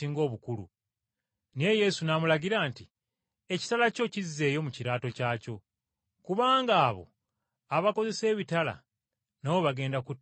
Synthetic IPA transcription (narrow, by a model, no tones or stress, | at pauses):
iŋɡo̞ːβukulṵ | nie̞je̞sunamulaɟiɾaːnti | e̞ci̥talaco̞cizːe̞ːjo̞muciɾaːto̞caːco̞ | kuβaːŋɡaːβo̞̰ | aβako̞ze̞se̞ːβitala̰ | nawoβaɡe̞ːndaku